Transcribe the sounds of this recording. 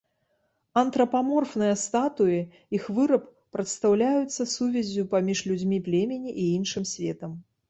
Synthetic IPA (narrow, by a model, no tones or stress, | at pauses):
ɐnt̪ɾɐpamɔrfnɨjɐst̪at̪uji | ixvɨɾɐpːɾɐt̪st̪awlʲajut̪sːɐsuvʲɛzʲupamʲiʂlʲud͡zʲmʲiplʲemʲenʲiʔiinʂɨmsʲvʲɛt̪ɐm